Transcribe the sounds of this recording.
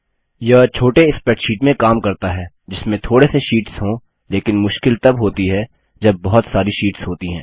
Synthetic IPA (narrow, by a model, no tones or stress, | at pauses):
jɐt͡ʃʰoːʈeɪspɛʈʃiːʈmẽkaːmkɐɾt̪aɦɛː | d͡ʒɪsmẽt̪ʰoːɽeseʃiːʈsɦõː | leːkɪnmʊʃkɪlt̪ɐbɦoːt̪iɦɛ | d͡ʒɐbːɐɦʊt̪saːɾiʃiːʈsɦoːt̪iɦɛ̰̃ː